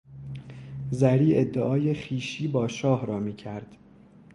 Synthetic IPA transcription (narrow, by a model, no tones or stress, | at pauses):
zæɾiːe̞d̪ːeʔɒːje̞χiːʃiːbɒːʃɒːhɾɒːmiːcʰæɾd̪̥